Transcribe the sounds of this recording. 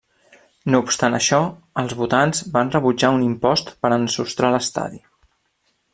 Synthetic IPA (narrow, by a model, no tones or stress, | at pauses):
noupst̪anə̰ʃɔ | əlˠzβut̪anzbanrəβud͡ʒaunimpɔst̪pəɾənsust̪ɾaləst̪a̰ði